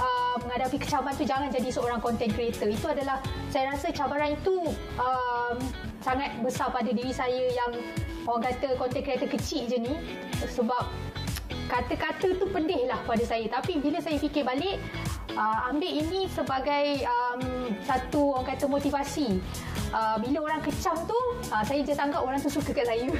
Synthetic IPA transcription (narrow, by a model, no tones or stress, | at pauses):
ʔəməŋadapikət͡ʃabaɾant̪ud͡ʒaŋand͡ʒadisəoɾaŋkɔnt̪ɛnkəɾet̪əit̪uadalahsajəɾasət͡ʃabaɾanit̪u | əm | saŋat̪̚bəsarpadadiɾisajəjaŋ | oaŋkat̪əkɔnt̪ɛnkɾiat̪əkət͡ʃiʔd͡ʒəni | səbap̚ | kat̪əkat̪ət̪upəndɪhlahkəpadasajət̪apibiləsajəfikɪbalɪʔ | əambeʔinĩsəbaɡajəmsat̪uoaŋkat̪əmot̪ivasi | ʔəbiləoɾaŋkət͡ʃamt̪u | əsajəd͡ʒat̪aŋɡapoɾaŋt̪usukəkaʔsajə